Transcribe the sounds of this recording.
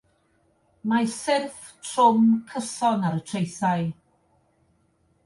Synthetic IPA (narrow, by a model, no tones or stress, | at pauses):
masɪrf | tʰrʊmkʰəsɔnaɾətʰrejθaj